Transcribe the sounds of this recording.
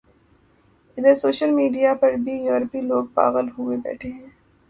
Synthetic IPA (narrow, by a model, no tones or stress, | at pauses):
ɪd̪əɾsoːʃəlmiːɖijapɐɾbʱijuːɾəpiloːɡ̚pa̰ːɣəlɦʊwebɛ̰ːʈʰeɦɛ̃ː